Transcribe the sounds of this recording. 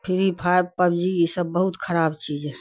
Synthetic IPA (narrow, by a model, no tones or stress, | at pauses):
pʰɪɾipʰaeb̚pəbd͡ʒiisəbːəɦut̪kʰəɾaːbt͡ʃiːd͡ʒɛ